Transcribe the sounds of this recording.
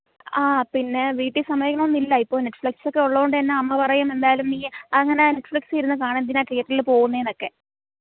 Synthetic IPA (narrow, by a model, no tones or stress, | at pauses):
aːpinːe̞ʋiːʈːisɐmɐjikːɐɳɐmonːilːɐipːoːne̞ʈːflikso̞kːe̞uɭːɐɣoɳɖɨɐnːeɐmːɐpɐrɐjume̞nd̪aːjlumniːɐŋːɐneneʈːfiksijiɾunːɨkaːɳend̪inaːʈijːɐʈːililpo̞ːɣunːɐjeno̞kːe̞